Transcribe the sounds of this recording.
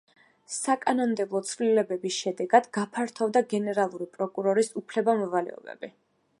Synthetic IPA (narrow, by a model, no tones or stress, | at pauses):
sakʼanɔnd̪ɛblˠɔt̪sʰvlilɛbɛbisʃɛd̪ɛɡad̪ɡapʰaɾt̪ʰɔvd̪aɡɛnɛɾalˠuɾipʼɾɔkʼuɾɔɾisupʰlɛbamɔvalɛ̰ɔ̰bɛ̰b̥i